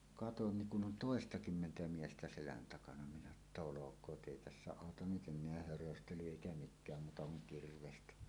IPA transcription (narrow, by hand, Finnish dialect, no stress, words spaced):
kɑton niŋ kun ʔon toˑestɑkymːentæ miestæ selæn tɑkɑnɑ minæ etːæ olokˑoːt ʔeˑi tæsːæ ɑˑotɑn nyt enˑeæ hørøstely eˑikæ mikˑæːm muːtɑ kuŋ kirʋestæ